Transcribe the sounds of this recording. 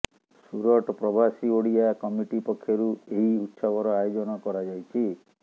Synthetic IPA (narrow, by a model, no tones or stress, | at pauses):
suɾɔʈɔpɾɔbʱasioɽijakɔmiʈipɔkʰːjɔɾueɦiut̪ːsabɔɾɔajod͡ʒɔnɔkɔɾad͡ʒajt͡ʃʰi